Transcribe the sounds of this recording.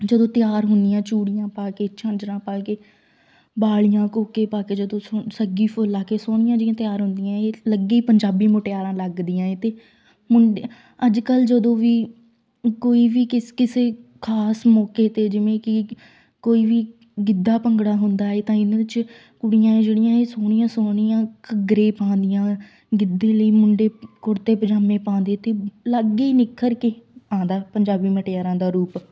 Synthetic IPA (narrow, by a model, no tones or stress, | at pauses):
d͡ʒəd̪õːt̪ɪjaːɾɦʊnd̪ijãːt͡ʃuːɽɪjãːpaːkeːt͡ʃãːnd͡ʒɾãːpaːkeː | baːɭɪjãːkoːkeːpaːkeːd͡ʒəd̪õːosəɡiːpʰʊlːaːkeːsoːɽ̃ɪjãːd͡ʒɪjãːt̪ɪjaːɾɦʊ̃nd̪ɪjãːeːləɡeiːpəɲd͡ʒaːbiːmoːʈejaːɾãːləɡd̪ijãːẽːt̪eː | mʊɳɖ | əd͡ʒkəld͡ʒəd̪õːʋiː | koːiːʋiːkɪkɪseːkʰaːsmɔːkeːt̪eːd͡ʒɪʋẽːkɪ | koːiːʋiː | ɡɪd̪ːaːpəŋɡɽaːɦʊnd̪aːeːt̪ãːɪnːɪt͡ʃ | kʊɽɪjãːẽːd͡ʒəɽɪjãːẽːsoːɽ̃ɪjãːsoːɽ̃ɪjãːkəɡɾeːpãːnd̪ɪjãː | ɡɪd̪ːeːləiːmʊɳɖeːkʊɾt̪eːpəd͡ʒaːmẽːpãːnd̪eːt̪eːləɡeiːnɪkʰːəɾkeːãːnd̪aːpəɲd͡ʒaːbiːməʈejaːɾãːd̪aːɾuːp